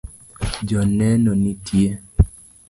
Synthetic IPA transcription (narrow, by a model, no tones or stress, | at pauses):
d͡ʒɔnɛnonitʰje